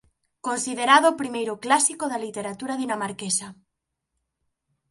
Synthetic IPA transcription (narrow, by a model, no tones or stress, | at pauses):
konsið̞eɾaðoːpɾimejɾoklasikoðalit̪eɾat̪uɾaðinamaɾkesa